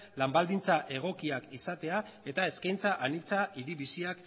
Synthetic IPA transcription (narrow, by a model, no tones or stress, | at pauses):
lambald̪int͡saʔe̞ɣ̞o̞kiakisat̪e̞a | e̞t̪ae̞skajnt͡saʔanilt͡saiɾiβisiak